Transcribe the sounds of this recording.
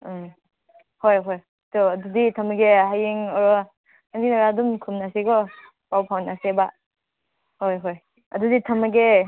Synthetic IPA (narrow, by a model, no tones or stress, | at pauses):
hojɦɔj | dɔɐduditʰɐmɡeɦajiŋɔɾɔ | andinaɾadumkʰumnasiɡɔ | pawpʰawnaseba | hojɦoj | ɐ̰duditʰɐmaɡe